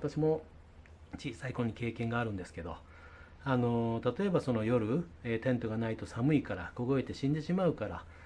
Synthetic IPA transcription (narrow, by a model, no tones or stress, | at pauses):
t̪aɕimo̞ | t͡ɕiːsaikõ̞ɲ̟ːike̞ːkẽ̞ŋɡaːɾɯ̟̃nd̪e̞sɨ̥ke̞d̪o̞̰ | ano̞t̪at̪o̞e̞baso̞no̞jo̞ɾɯ̟eːt̪ẽ̞nt̪o̞ɡanait̪o̞samɯ̟ikaɾa̰ɡ̥o̞ɡo̞e̞t̪e̞ɕĩnd̪eɕimaɯ̟kaɾa̰